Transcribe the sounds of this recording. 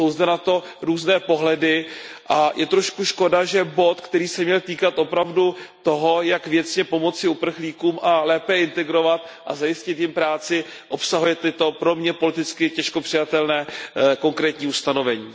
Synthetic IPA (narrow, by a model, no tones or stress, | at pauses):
sowzdɛnat̪o̞ | ɾuːznɛːpo̞ɦlɛdɪʔajʔɛt̪ɾo̞ʃkuʃko̞daʒɛbo̞t̪kt̪ɛɾiːsɛmɲɛlt̪iːkat̪ʔo̞pɾavdut̪o̞ɦo̞jakvjɛt͡sɲɛpo̞mo̞t͡sɪupr̩xliːkuːmʔalɛːpɛɪnt̪ɛɡɾo̞vat̪ʔazajɪscɪt̪jɪmpɾaːt͡sɪʔopsaɦujɛt̪ɪt̪o̞pɾo̞mɲɛpo̞lɪt̪ɪt͡skɪcɛʃko̞pr̥ɪjat̪ɛlnɛːko̞ŋkɾɛːt̪ɲiːust̪ano̞vɛɲiː